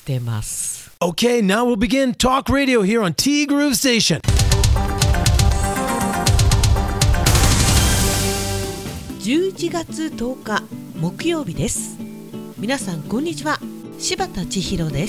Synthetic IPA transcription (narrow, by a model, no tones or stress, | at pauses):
t̪e̞ma̰sɨ̥ | oʊkʰeɪnaʊwilˠbiɡɪ̃ntʰɔkɹeɪɾioʊɦiɹə̃ntʰiɡɹʉsteɪʃɨ̃n | d͡ʑɨːt͡ɕiɡat͡sɨt̪o̞ːka | mo̞kɯ̟jo̞ːbʲid̪e̞sɨ̥ | mʲinasãŋkõ̞ɲ̟ːit͡ɕiβa | ɕibat̪at͡ɕiçiɾo̞d̪e̞s